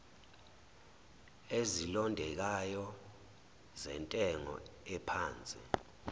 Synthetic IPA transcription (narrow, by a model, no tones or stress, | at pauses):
ezilɔndʱɛk̬ajɔ | zɛntʼɛŋɔ̰ɛpʰaːnt͡sʼḭ